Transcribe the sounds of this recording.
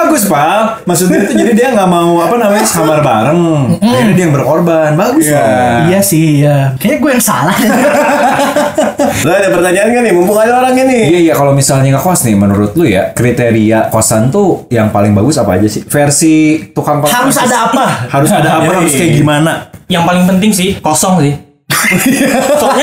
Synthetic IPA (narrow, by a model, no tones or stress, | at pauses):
baɡʊspa | maks̬ʊt̪̚iit̪ud͡ʒadidiaŋɡaʔmauapanamaɲaskamarbaɾəŋanidiajaŋbərkorbanbaɡʊsaijasɪhjamakaɲaɡuwajaŋsa̰lah | ladapərkad͡ʒaːnkanɪmumpuŋadaoɾaŋinɪijaijakalomisalɲaŋakoasnɪmənuɾʊt̪lʊja̰kɾit̪eɾiakosant̪ujaŋpalɪŋbaɡʊsapaːd͡ʒasɪfersit̪ukaŋpahaɾʊsadaːpahaɾʊsadaːpahaɾʊskajaɡimanajaŋpalɪŋpənt̪ɪŋsɪhkosɔŋsɪh | a